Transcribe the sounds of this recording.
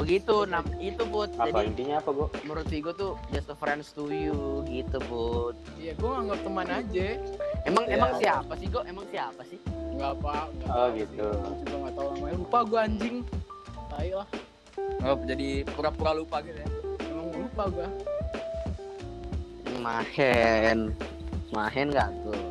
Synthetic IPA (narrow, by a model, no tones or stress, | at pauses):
bəɡit̪unaɡit̪ubʊt̪̚aadiaint̪iɲaːpaɡuaməɾut̪iɡot̪ud͡ʒasəfɾɛnst̪ujuɡit̪ubʊt̪̚ | jaɡuaŋaŋɡap̚t̪əmanad͡ʒaemaŋemaŋsiapasɪhɡoʔemaŋsiapasɪhbɡapaŋɡaʔɔɡit̪ut͡ʃubaŋat̪aunamaalupaɡuaːɲd͡ʒɪŋbaɪklah | aɡap̚d͡ʒadipuɾapuɾalupaɡit̪aemaŋlupaɡua | mahɛnmaɦɛnɡaʔt̪ʊ